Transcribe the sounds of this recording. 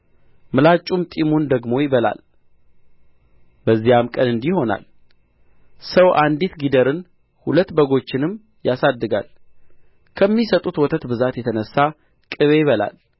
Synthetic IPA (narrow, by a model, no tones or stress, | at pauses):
mɨlat͡ʃʼumt̪ʼimund̪əɡmo̞jɪβəla̰l | bəzːijamkʼənɨnd̪iho̞na̰l | səwʔand̪it̪ɡid̪əɾɨn | hulət̪ːbəɡo̞t͡ʃːɪnɨm | jasad̪ːɨɡa̰l | kʰəmːisət̪ʼut̪wɔt̪ʰət̪bɨzat̪jɛt̪ʰənəsːa | kʼɨβejɪβəla̰l